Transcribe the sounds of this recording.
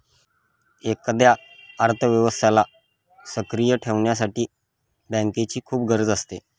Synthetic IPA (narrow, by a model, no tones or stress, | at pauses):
ekəd̪jaəɾt̪ʰəʋjəʋəst̪ʰala | səkɾijəʈʰeʋɳjas̬aʈiː | bə̃ŋket͡ɕiːkʰuːp̚ɡəɾəd͡zəst̪e